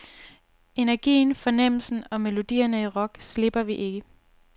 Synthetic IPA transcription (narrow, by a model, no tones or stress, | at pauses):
e̝næɐɡ̥ḭːnfɒ̽nem̰l̩sn̩ɒ̽melo̝d̥ḭːɐnəiʁɒ̽ɡ̥sle̝b̥ɐʋiʔe̝ɡ̥ə